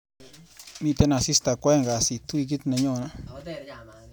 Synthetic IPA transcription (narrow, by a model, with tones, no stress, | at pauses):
mĩ˧t̪e˦na˧˨si˦st̪a˧kʷe˦ŋɡa˨si˨t̪u˦˧jɡi˦t̪na˧ɲo˦˧˨na˧